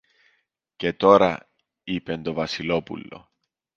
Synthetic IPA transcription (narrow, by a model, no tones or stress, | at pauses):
ce̞t̪o̞ɾɐ | ipe̞nt̪o̞vɐsilo̞pṵlːo̞̰